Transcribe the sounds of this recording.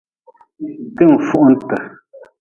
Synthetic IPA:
tɨ˦˨m̩˨fu˦ʔn̩˦tə˨

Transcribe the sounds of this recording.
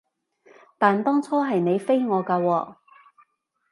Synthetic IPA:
t̪aː˨˩nt̪ɔː˥ŋt͡sʰɔː˥ɦɐ˨jne˨˧jfe˥jŋɔː˨˧kaː˧wɔː˧

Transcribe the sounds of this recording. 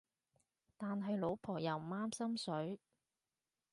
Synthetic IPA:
t̪aː˨nɦɐ˨jlo˨˧˥wpʰɔː˨˩jɐ˨˩wm̩˨˩maː˥msɐ˥msɵ˨˥ɥ

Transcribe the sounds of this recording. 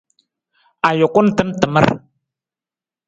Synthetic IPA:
a˨jʊ˨kʊ˦n̩˦tɨ˦n˦tɨ˨mə̰˦ɾ

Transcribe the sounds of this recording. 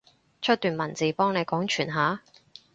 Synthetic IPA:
t͡ʃʰt̚t̪yː˨nmɐ˨˩nt͡siː˨˥pɔː˥ŋne˨˧jkɔː˨˥ŋt͡ʃʰyː˨˩nɦaː˨˥

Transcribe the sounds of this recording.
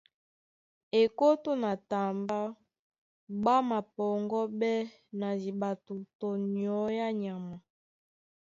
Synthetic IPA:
e˨ko˦to˦na˨ta˨mba˦ | ɡ͡ba˦ma˨pɔ˨ŋɡɔ˦bɛ˦ | na˨zi˨ɓa˨tu˨tɔ˨n˨ɔ˨˦ja˦ɲa˨ma˨

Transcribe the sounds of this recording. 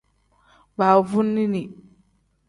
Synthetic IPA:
ba˨vu˦nːi˦ni˨

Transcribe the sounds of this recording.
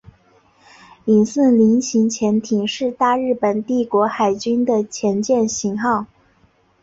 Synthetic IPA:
i˨˩nsə˥˩nli˧˥nɕʰi˧˥ŋt͡ɕʰjɛ˧˥nt̪ʰi˨˩ŋʂɻ̩˥˧t̪a˥˧ɻɻ̩˥˩pə˨˩nt̪i˥˩kwɔ˧˥xa˨˩ɪt͡ɕy˥nd̪ə˨t͡ɕʰjɛ˧˥nt͡ɕjɛ˥˩nɕi˧˥ŋxɑ˥˩ʊ

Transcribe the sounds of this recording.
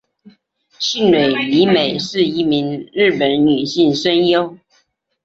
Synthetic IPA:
ɕi˥˩nnwe˨˩ɪli˨˧˥me˨˩ɪʂɻ̩˥˩i˧˥mi˧˥˦ŋɻ̩˥˩pə˨˥nny˨˩ɕi˥˩ŋʂə˥njo˥ʊ

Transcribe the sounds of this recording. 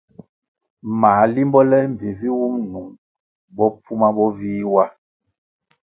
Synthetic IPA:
maː˨˦li˦mbɔ˦lɛ˦m̩˨ve˨vi˦wu˦ŋnu˨ŋ | bɔ˦pu˦ma˦bɔ˦viː˦wa˦

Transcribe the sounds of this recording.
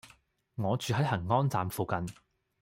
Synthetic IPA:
ŋɔː˨˧t͡ʃyː˨˧ɦɐ˨˥jɦɐ˨˩ŋŋɔː˥nt͡saː˨mfuː˨kɐ˨n

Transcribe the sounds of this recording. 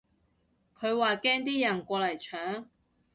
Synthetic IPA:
kʰɵ˨˧ɥwaː˨˩kɛː˥ŋt̪̬iː˥jɐ˨˩nkʷɔː˧lɐ˨˩jt͡ʃʰœː˨˥ŋ

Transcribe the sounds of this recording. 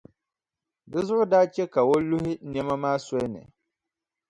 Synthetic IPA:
dɨ˦zʊ˦ʔʊ˦daː˦t͡ʃɛ˦ka˨wo˦lʊ˦hɪ˦nɛ˦ma˦maː˦sɔ˦nɨ̰˨

